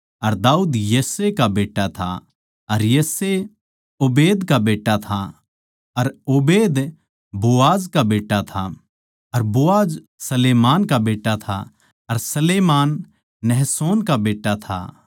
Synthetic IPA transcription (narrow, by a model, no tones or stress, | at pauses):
ɐɾd̪aːuːd̪jeːsekabeːʈːat̪ʰa̰ | ɐɾjeːse | oːbeːd̪kabeːʈːat̪ʰa | ɐɾoːbeːd̪ | boaːd͡ʒkabeːʈːat̪ʰa | ɐɾboːaːd͡ʒ | sɐleːmaːnkabeːʈːat̪ʰa̰ | ɐɾsɐleːmaːnː | ɛɦsoːnkabeːʈːat̪ʰa̰